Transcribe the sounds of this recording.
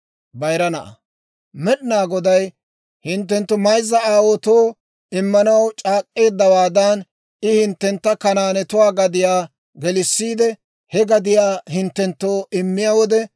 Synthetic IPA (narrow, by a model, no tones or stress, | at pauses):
bɐjɾɐnɐʔɐ̰ | mɛɗɪnaːɡɔd̪ɐj | hɪnt̪ːɛnt̪ːʊmɐjzːɐaːwot̪oː | ɪmːɐnɐwt͡ʃʼaːkʼːe̞ːd̪ːɐwaːd̪ɐn | ɪhɪnt̪ːɛnt̪ːɐkɐnaːnɛt̪ʊwaːɡɐd̪ɪjaː | ɡɛlɪsːiːd̪ɛ | hɛɡɐd̪ɪjaːhɪnt̪ːɛnt̪ːo̞ːʔɪmːɪjawɔd̪ɛ